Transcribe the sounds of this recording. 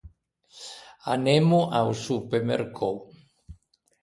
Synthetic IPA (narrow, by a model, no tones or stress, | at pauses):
anemuʔawsupemeɾkʰow